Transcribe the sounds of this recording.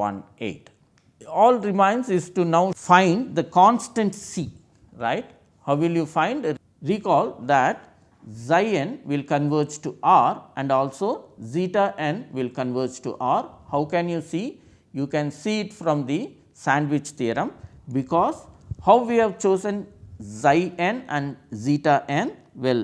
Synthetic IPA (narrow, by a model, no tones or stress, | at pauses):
ʋʌ̰̃nḛːʈ | ɔːlɾɪmãɪ̃nsɪzʈunaʊfãɪ̃ɳɖd̪əkɔ̃ːnsʈə̃ɳʈsiː | ɾa̰ɪʈ̚ | haʊʋɪljuːfãɪ̃ɳɖ | ɾiːkɔːld̪æʈ̚ | zaɪẽnʋɪlkə̃nʋəːɾd͡ʒʈuʔaɾʔæ̃ɳɖɔːlsoːziːʈaʔẽnʋɪlkə̃nʋəːɾd͡ʒʈṵʔaːɾhaʊkɛ̃njuːsiː | juːkɛ̃nsiːʈfɾɔ̃md̪i | sæ̃ɳɖʋɪt͡ʃt̪iːɾə̃mbɪkɔːzhaʊʋiːhæʋt͡ʃoːzə̃nzaɪẽnæ̃ɳɖziːʈaʔẽn | ʋɪl